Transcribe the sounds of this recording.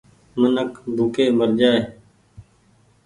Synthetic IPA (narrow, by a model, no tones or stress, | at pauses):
mənəkbʱuːkeːməɾd͡ʒaːe